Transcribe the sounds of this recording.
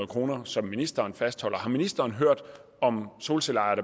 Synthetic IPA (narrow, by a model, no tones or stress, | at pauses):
ð̩ˠkʰʁo̝ːnɐsɒ̽mːinisd̥ɐːnfæsd̥hɒ̽l̰ɐhɑ̈minisd̥ɐːnɦøɐ̰d̥ | ɒ̽mso̝ːlselɑ̈ɪɐdə